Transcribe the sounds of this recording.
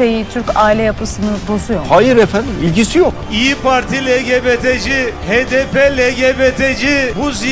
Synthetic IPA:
ejit̪ʰyɾcaːilʲɛjapʰɯsɯnɯbosujohajɯɾefænd̪imilʲcisijokiːpʰaɾt̪ʰilʲeɟʲebet̪ʰed͡ʒihed̪epelʲeɡebet̪ʰed͡ʒibuzi

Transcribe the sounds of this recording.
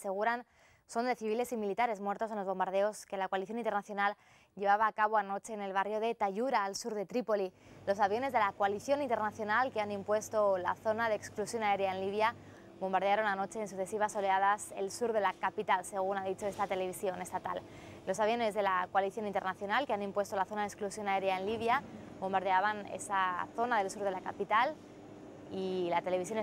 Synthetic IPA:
se̞ɣ̞uɾan | so̞nd̪e̞θiβile̞similit̪aɾe̞zmwe̞ɾt̪o̞s̬e̞nlozβo̞mbaɾð̞e̞o̞ske̞lakoaliθjo̞nĩnt̪e̞rnaθjo̞nal | ʝe̞β̞aβ̞aːkaβ̞oano̞t͡ʃe̞ːne̞lβ̞arjo̞ðe̞t̪aʝuɾaːlsuɾðe̞t̪ɾipo̞lilo̞saβjo̞ne̞zðe̞lakoaliθjo̞nint̪enaθjo̞nalkeanĩmpwe̞st̪o̞la̰θo̞naðeːksklusjo̞nae̞ɾjaenliβ̞ja | βõ̞mbaɾðe̞aɾo̞nano̞t͡ʃe̞ːns̬uθe̞siβ̞aso̞le̞aðase̞̰lsuɾðe̞lakapit̪alse̞ɣ̞unaðit͡ʃo̞e̞st̪at̪e̞le̞βisjo̞ne̞st̪at̪a̰l | lo̞saβjo̞ne̞zðe̞lakoaliθjo̞nint̪e̞rnaθjo̞nalkeanĩmpwe̞st̪o̞laθo̞naðeksklusjo̞nae̞ɾjaenliβja | bo̞mbaɾðe̞aβanḛsaθo̞naðe̞lsuɾðe̞lakapit̪al | ilat̪e̞leβis̬jon

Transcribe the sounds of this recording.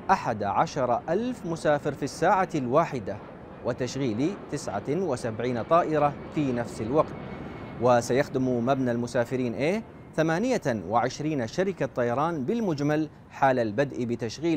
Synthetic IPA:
ʔaħad̪aʕaʃɑɾˤɑʔalfmʊsaːfɪɾfisːaːʕalwaːħɪd̪a | wɪt̪aʃɣiːlit̪ɪsʕa̰wɪsabʕiːnt̪ˤɑːʔɪɾafiːnafsɪlwɑɡt̪wɪsajaxd̪ɪmumabnalmʊsaːfɪɾiːnʔeː | θamaːnɪjawɪʕɪʃɾiːnaʃaɾɪkat̪ˤːɑjɑɾˤɑːnbɪlmʊd͡ʒmal | ħaːlalbad̪ʔbɪt̪aʃɣiː

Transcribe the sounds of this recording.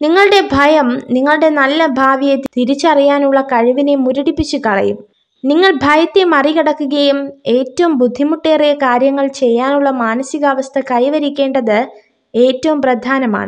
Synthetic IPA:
niŋːɐɭɨɽe̞bʱɐjɐmniŋːɐɭɨɽe̞nɐlːɐbʱaːʋijet̪t̪iɾit͡ɕːɐrijaːnuɭːɐkɐɻuʋine̞muɾuɽipːit͡ɕːukɐɭɐ̰jum | niŋːɐɭbʱɐjɐt̪ːemɐriɣɐɽɐkːuɣɐjume̞ːtːɐʋumbud̪ʱːimuʈːe̞ːrijɐkaːɾjɐŋːɐɭt͡ɕe̞jːaːnuɭːɐmaːnɐsiɣɐːʋɐst̪ʰɐkɐjʋɐɾikʲːe̞ːɳɖɐðɨ | e̞ːtːɐʋumprɐd̪ʱaːnɐma̰ːɳɨ

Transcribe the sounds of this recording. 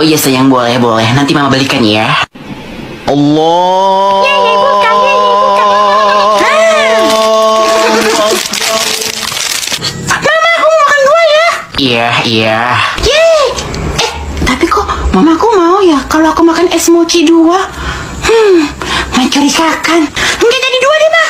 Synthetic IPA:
iasajaŋbolɛhbolɛhnant̪imamabalikanja | ʔɔlːɔjajaɡkaɡaɡikukamamamanaka | mamaːkumamakanɡuaja | ijaiaja | ɛh | t̪apikɔmamakumaujakaloakumakanɛsmot͡ʃidua | h̩ | ŋat͡ʃuɾikakanəŋɡad͡ʒadiduadimah

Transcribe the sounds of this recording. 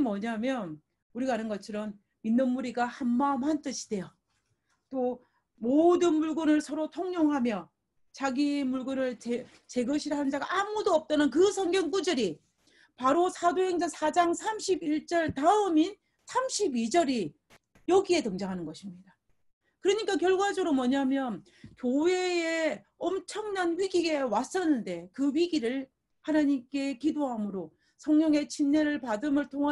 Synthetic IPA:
mwʌɲamjʌn | uɾiɡaanɯnɡʌt͡ɕʰʌɾʌm | minːɯnmuɾiɡahanmaɯmhant͈ɯɕʰi̥d̥e̞jo | t͈o | modɯnmuɭɡɯnɯɭsʰʌɾotʰoŋɲoŋɦamjʌ | t͡ɕaɡimuɭɡɯnɯɭt͡ɕe | t͡ɕe̞ɡʌɕʰiɾɦannd͡ʑaɡaʔːmudoʌp̚t͈anɯnkɯsʰʌŋɡjʌŋbud͡ʑɯɾi | paɾosʰadoɦeŋd͡ʑaŋsʰad͡ʑaŋsʰamɕʰibiɭt͡ɕ͈ʌɭtaɯmin | sʰamɕʰibid͡ʑʌɾi | jʌɡie̞tɯŋd͡ʑaŋɦanɯnɡʌɕʰimɲida | kɯɾʌɲik͈akjʌɭɡwad͡ʑʌɾomʌɲamjʌn | kjowe̞e | ʌmt͡ɕʰʌŋnanɥiɡiɡe̞was͈ʌnːɯnde̞kɯɥiɡiɾɯɭ | hanaɲimk͈e̞kidoɦamɯɾo | sʰʌŋɲjʌŋe̞t͡ɕʰinːeɾɯɭpadɯmɯɭtʰoŋa

